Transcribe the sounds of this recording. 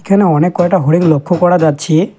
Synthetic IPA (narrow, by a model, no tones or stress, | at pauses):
kʰjɔneɔnekːɔeʈaɦoɽiŋlokʰːokɔɽad̪ad̪̚t͡ʃʰie